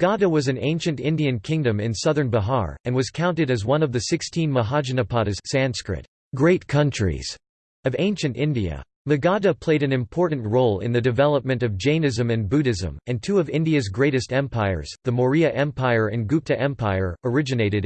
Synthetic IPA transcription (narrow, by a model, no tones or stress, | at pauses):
ɡ̥ɑɾəwʌzɨ̃nḛ̃ɪ̃nʃɨ̃ntɪ̃ndiɨ̃nkʰɪ̃ŋdɨ̃mɪ̰̃nsʌðə̃˞nbəɦɑ̰ɹɨ̃nwʌz̥kʰãʊ̃ntɨɾɨzwʌ̃nʌvðɨsɪkstʰĩnməɦɑd͡ʒɨnɨpʰɑɾɨzsæ̃nskɹɪ̰ɾ | ɡ̥ɹeɪt̚kʰʌ̃nt͡ʃɹ̥ḭz̥ | ʌvẽɪ̃nʃɨ̃ntɪ̃ndiɨ̰ | lɨɡɑdəpʰl̥eɪɾɨ̃nɨ̃mpʰɔɹʔn̩ʔɹoʊlˠɪ̰̃nðɨdɨvɛlˠəp̚mɨ̃ntʌvd͡ʒẽɪ̃nɨzɨ̃mɨ̃nbuɾɨzɨ̰̃mɨ̃ntʰuʌvɪ̃ndiɨzɡɹeɪɾɨstɛ̃mpʰaɪə̰˞z̥ðɨməɹiɨʔɛ̃mpʰaɪə˞ɨ̃nɡʉp̚tɨʔɛ̃mpʰaɪə̰˞ə˞ɪd͡ʒɨneɪɾɨɾ